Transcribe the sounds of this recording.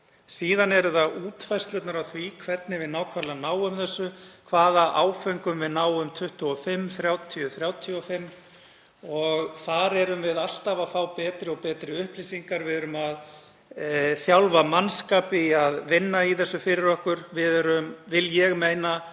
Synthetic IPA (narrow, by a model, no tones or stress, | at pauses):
siːðanɛɾʏðauːt̪fajrst̪lœt̪naɾawθvikʰvɛt̪nɪvɪðnaːwkʰvaɾlanaːwʏmθɛsːʏkʰvaːðaʔaːwfœŋkʏmvɪðnaːwʏmt̪ʰʏht̪uɔfɪmːθɾjawt̪ʰiʏθɾjaːwt̪ʰjɔfɪmː | ɔɣθaɾɛɾʏmvɪðal̥t̪avafawpɛːt̪ɾɪɔɣpɛːt̪ɾɪʏhplisiŋkaɾvɪðɛɾʏmað | θjawlvamanskaːpɪaðvɪnːaiθɛsːʏfɪɾɪɾɔhkʏɾvɪðɾʏmvɪljɛɣmeːjna